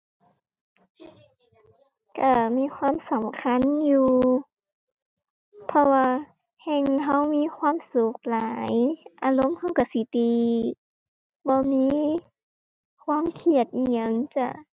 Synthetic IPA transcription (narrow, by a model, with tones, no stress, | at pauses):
ka˧˩miː˧˥˨kʰwaː˧˥˨msa˨˦mkʰa˧˥˨njuː˧ | pʰɔ˧waː˧ | hɛː˧˨ŋɦa˧˥˩wmiː˧˥˨kʰwaː˧˥˨msu˧˦k̚laː˨˦jʔaː˧lo˧˥˨mha˧˥˨wka˧˩si˧˦t̪iː˧ | bɔː˧˦miː˧˥˨ | kʰwaː˧˥˨mkʰi˧˩ət̪̚ʔiː˧˨ɲa˧˩˨ŋt͡ɕa˧˩˨